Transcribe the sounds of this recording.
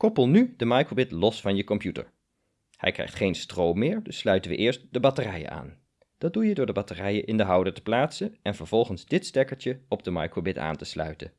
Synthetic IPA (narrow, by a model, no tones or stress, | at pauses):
kɔpəlˠnydəmɑjkrobɪtlɔsfɑnjəkɔmpjutə̰ɹ | hɛ̰jkrɛ̰jχtχejnstrowmːɪːɹdɵsːlœɥtənʋə̰ʔɪːɹst̚dəbɑtərɛjə̰a̰ːn | d̥ɑd̚dujədʊːɹdəbɑtərɛjəʔɪndəɦʌwdəɹtə̥plaːtsənɛnvəɹv̥ɔlˠχənzdɪtstɛɹkəɹtəɔb̚dəmɑ̰jkrobɪta̰ːntəslœ̰ɥtən